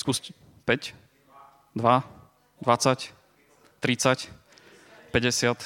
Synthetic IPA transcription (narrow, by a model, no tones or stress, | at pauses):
skuːsc | pɛc | d̪ʋa | d̪ʋat͡sac | t̪ːɾit͡sac | pɛɟɛsɪat̪